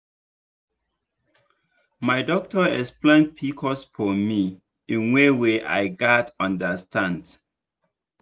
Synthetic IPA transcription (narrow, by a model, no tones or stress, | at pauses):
maɪdɔk̚tɔɛksplẽn̚pʰikʰɔsfɔmi | ĩnweweʔa̰ɪɡatʌ̃ndəstʰãnd